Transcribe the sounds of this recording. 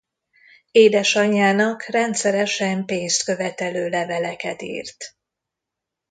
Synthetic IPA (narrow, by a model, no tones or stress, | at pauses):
eːd̪ɛʃɒɲːaːnɒkrɛnt̪sɛɾɛʃɛmpeːnst̪køvɛt̪ɛløːlɛvɛlɛkɛt̪ḭːrt̪